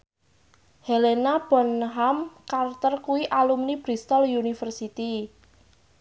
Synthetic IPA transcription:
helenab̥ɔ̤nɦamkart̪ərkuwiʔalumnib̥ɾist̪ɔljunifərsit̪i

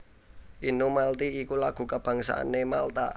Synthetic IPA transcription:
ʔinumalt̪iikulaɡ̥ṳkəb̥a̤ŋsa̰ʔa̰nemalt̪a̰

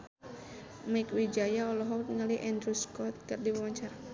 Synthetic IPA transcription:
maikwid͡ʒajaɔlɔɦɔŋəliʔɛnd̪ɾuskɔt̪̚kɨrdiwawaɲt͡ʃaɾa

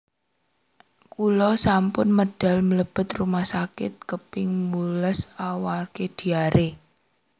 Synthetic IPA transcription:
kulɔsampʊnməɖ̥a̤lmələb̥ə̤t̪rumahsakɪ̰t̪̚kəpɪŋmuləsawarked̪̥i̤aɾe

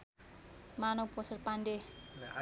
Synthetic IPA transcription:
manowpɔsərpande

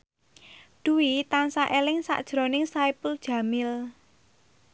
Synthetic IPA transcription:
d̪̥uwit̪ansaʔelɪŋsa̰ʔd̥ʒ̥ɾo̤nɪŋsaipuld̥ʒ̥ä̤mɪl

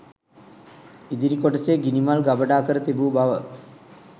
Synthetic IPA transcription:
id̪iɾikoʈəseɡinimalɡabəɖaːkəɾət̪ibuːbaʋə

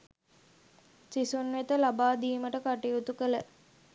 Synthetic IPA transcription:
t͡ʃisunʋet̪əlabaːd̪iːməʈəkaʈijut̪ukələ

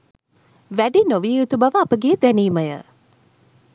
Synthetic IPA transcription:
ʋæɖinoʋijut̪ubɐʋəːpəɡeːd̪æniːməjə̰

